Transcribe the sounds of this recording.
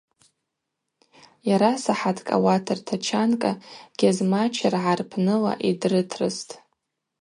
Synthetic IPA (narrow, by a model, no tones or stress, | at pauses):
jaɾasaħatʰkʼa̰watʰɨrtʰat͡ʃʰankʼaɡ̥ʲazmat͡ʃʰarʕarpʰnɨla̰ʔidrɨtʰrɨstʼ